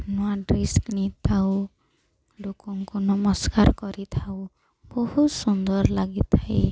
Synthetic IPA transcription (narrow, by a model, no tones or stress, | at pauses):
nɔaɖɾisknit̪ʰaw | lokɔŋkunɔmɔskaɾkɔɾit̪ʰaw | bɔhut̪sund̪ɔɾlaɡit̪ʰae